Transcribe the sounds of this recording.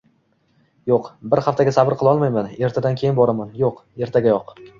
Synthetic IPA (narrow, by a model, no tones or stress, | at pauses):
joqbɪɾhaft̪ʰaɡʲasabɪɾqʰɨlˠɒlˠmajmane̞ɾt̪ʰad̪ankʲʰe̞jɪnbɒɾamanjoqe̞ɾt̪ʰaɡʲajɒq